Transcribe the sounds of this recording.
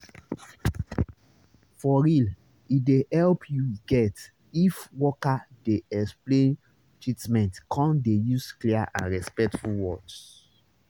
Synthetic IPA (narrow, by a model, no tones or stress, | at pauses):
fɔɹil | idehɛlpʰjuɡɛt | ifwɔkadeɛksplẽn | tɹitmɛ̃ntkʰɔ̃ndejuskliaʔã̰nɹɛspɛk̚tfulwɔds